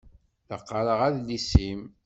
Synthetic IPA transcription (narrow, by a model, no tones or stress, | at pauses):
ləqːəɾəʁæðlisim